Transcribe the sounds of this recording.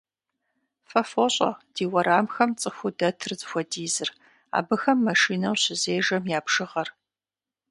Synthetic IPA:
fɐfoɕʼɐ̰d̥iːwɐɾaːmxɐmt͡sʼɨxʷʊdɐtʰɨrzɨxʷɔdiːzɨr | a̰ːbɨxɐmːɐʃiːnɐwɕɪzeːʒɐmjaːpʂɨʁɐr

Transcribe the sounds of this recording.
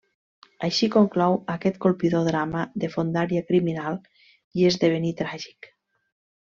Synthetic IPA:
aʃikoŋklɔwəkɛt̪kolˠpiðoðɾaməðefond̪aɾiakɾiminalˠ | iezðeβ̞enit̪ɾaʒi̥k

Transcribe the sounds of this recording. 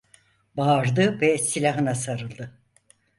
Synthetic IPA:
baːɾd̪ɯvɛsilʲaɦɯnasaɾɯlˠd̪ɯ

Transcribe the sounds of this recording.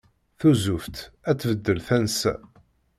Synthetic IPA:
θuzuft̪æt͡sːvəd̪ːəlθænsæ̰

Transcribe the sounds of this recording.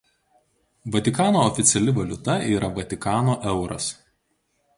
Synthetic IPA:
ʋɔt̪ʲɪkɑːnoːɔfʲɪt̪sʲɛlʲɪʋɐlʲʊt̪ɐiːɾɐʋɐt̪ʲɪkɑːnoːʔɛʊɾɐ̰s

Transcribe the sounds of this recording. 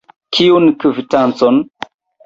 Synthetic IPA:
kʰiunkɨvitant͡son

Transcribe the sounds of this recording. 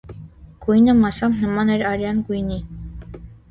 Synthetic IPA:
ɡ̥ujnəmɑsɑmnəmɑnɛɾɑɾjɑnɡujni

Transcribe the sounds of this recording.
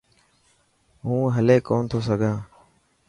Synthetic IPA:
ɦũːɦəleːkoːnt̪ʰoːsəɡʱãː

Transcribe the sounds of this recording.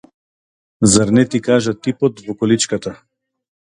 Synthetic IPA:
zaɾnɛt̪ikaʒat̪ipɔt̪vɔkɔlit͡ʃkat̪a

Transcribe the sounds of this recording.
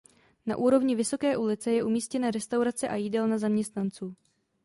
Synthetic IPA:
na̰ʔuːɾo̞vɲɪvɪso̞kɛːʔulɪt͡sɛjɛʔumiːscɛnɛːɾɛst̪awɾat͡sɛʔajiːdɛlnazamɲɛst̪nant͡suː

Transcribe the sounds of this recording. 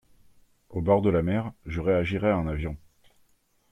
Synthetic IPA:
obɔʁd̪əlamɛʁʒəʁeaʒiʁɛaɛ̃navjɔ̃

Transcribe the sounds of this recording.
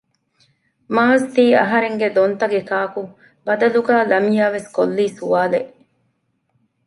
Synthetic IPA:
maːzt̪iːɐ̰ɦɐɾeŋɡed̪ont̪ɐɡekaːku | bɐd̪ɐluɡaːlɐmijaːʋeskolːiːsuʋaːleʔ

